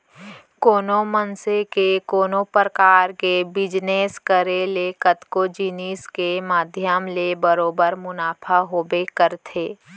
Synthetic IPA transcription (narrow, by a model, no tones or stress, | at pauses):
koːnomənsekekoːnopɾəkaːɾkebɪd͡ʒneːskəɾelekət̪kod͡ʒiniːskemaːd̪ʱjəmlebəɾoːbəɾmʊnaːpʰaɦoːbekəɾt̪ʰeː